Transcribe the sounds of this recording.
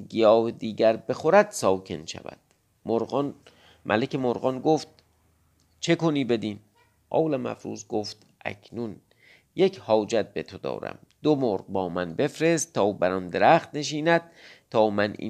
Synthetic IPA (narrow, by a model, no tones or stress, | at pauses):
ɡijɒːbed̪iːɟæɾbe̞xoɾæd̪̥sɒːkʰe̞̰nʃæ̰væ̰d̪̥ | moɾn | mʔæ̰lekʰemoɾɣɒnɡoːft̪̚ | t͡ʃʰe̞koniːbe̞d̪iːm | ʔɒ̰ːwlæmæ̰fɾṵːzɡoːft̪ | ʔæ̰kʰnun | je̞cʰhɒːd͡ʒæt̪̚be̞t̪ʰod̪ɒ̰ːɾæ̰m | d̪̥omoːɾʁbɒːmænbe̞fɾe̞st̪t̪ʰːɒːbæɾɒnd̪e̞ɾæːχt̪ne̞ʃ̬iːnæd̪̥̚t̪ʰːɒːmænḭː